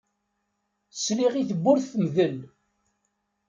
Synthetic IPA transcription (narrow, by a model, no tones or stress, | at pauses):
əsliʁiθəbːʊɾθθmðəl